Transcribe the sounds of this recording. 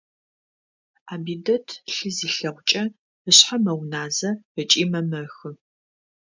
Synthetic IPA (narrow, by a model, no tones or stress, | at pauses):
aːbiːdɐtʰɬɨziːɬɐʁʷʊt͡ʃʼɐ | əɕħamɐwnaːzɐət͡ʃʼiːmɐmɐxɨ